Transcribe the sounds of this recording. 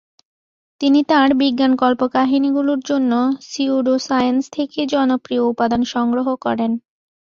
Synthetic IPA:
t̪init̪aɾbiɡːankɔlpokaɦiniɡuloɾd͡ʑonːosiuɖosajenst̪ʰeked͡ʑɔnopɾioupad̪anʃɔŋɡɾoɦokɔ̰ɾen

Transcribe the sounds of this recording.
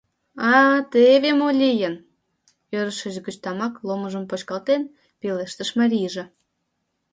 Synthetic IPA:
ɑt̪eβemolʲijən | øɾəʃə̆ʒɡət͡ɕt̪ɑmɑklˠoməʒə̆mpot͡ɕkɑlt̪en | peleʃt̪əʃmɑɾʲijʒĕ

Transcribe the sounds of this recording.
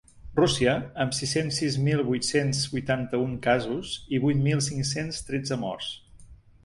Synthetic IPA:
rusiəːmsisensːizmilˠβujt̪senzbujt̪ant̪əuŋkazuziβujt̪milˠs̬iŋsenst̪ɾɛd͡zəmɔ̰rs

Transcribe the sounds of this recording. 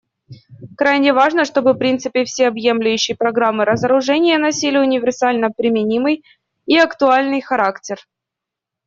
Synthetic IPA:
kɾajnʲɪvaʐnəʂt̪o̞bɨfpɾʲint̪sɨpʲɪfsʲeɐbje̞mlʲʊjʉɕːɪjpɾɐɡɾamːɨɾəzəɾʊʐɛnʲɪjənɐsʲilʲɪʊnʲɪvʲɪrsalʲnəpɾʲɪmʲɪnʲimɨj | iɐkt̪ʊalʲnɨjxɐɾaktʲɪr

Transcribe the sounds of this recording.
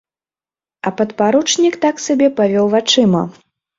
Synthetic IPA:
ɐpɐt̪paɾut͡ʂnʲikt̪aksabʲɛpavʲɔwvat͡ʂɨmɐ̰

